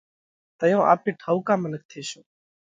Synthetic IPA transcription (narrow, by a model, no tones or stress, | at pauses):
t̪əjõːʔa̰ːpiːʈʰəukãːmənək̚t̪ʰeːʃoː